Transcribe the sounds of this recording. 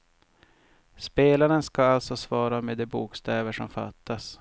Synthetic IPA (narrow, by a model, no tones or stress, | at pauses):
speːlaɾənskaalt̪sɔsvɑːɾamed̪ɛbuːkst̪ɛːvəʂɔmfa̰t̪ʰːas